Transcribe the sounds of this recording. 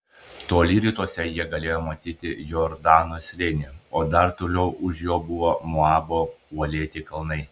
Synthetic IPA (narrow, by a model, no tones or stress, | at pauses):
t̪oːlʲiːɾʲiːˑt̪uɔsʲɛjiɛɡɐlʲeːjoːmɐt̪ʲiːt̪ʲɪjoɾd̪ɑːnosʲlʲɪnʲɪoːd̪ɐɾt̪oːlʲɛʊʔʊʃjoːbʊʋoːmoɑːboːuɔlʲeːt̪ʲɪkɐlˠnɐɪ